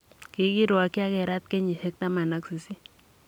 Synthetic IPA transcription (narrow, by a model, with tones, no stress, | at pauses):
ki˨˦ki˦ɾu˨a˨ki˦a˦kɛ˨ɾa˦t̪̚kɛ˦ɲi˨sɛ˦k̚t̪a˦ma˨na˦ksi˨si˦